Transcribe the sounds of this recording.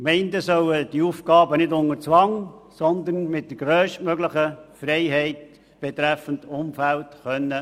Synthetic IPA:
mɛɪndəsœwəd̥iufkɑːbənɪdʊŋət͡sʋɑŋsɔnd̪ənmɪt̚d̥̪əɡ̥ɾøːʃtmœɡləχəfrɛɪɦɛɪt̚ | b̥ɛt̪ɾæfən̩tʊmfæltχœnːə

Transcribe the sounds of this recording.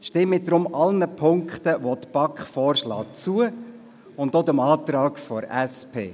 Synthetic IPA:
ʃtɪmːɪd̥ɾʊmɑlnəpʰʊŋkχt̪əʋot̪b̥ɑkχfɔːrʃlɑ̰ːt͡suə | ʊndod̪əmɑːt̪rɑːkfɔɾɛspʰḛː

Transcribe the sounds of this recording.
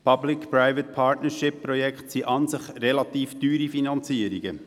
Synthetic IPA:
pʰɑblɪkpɾaɪvət̪̚pʰɑːɹtnəɾʃɪpːɾɔjɛkχt̪siʔɑnsɪχrɛlɑt̪iːft̪yːɾifinɑnt͡siːəɾiɡ̥ə

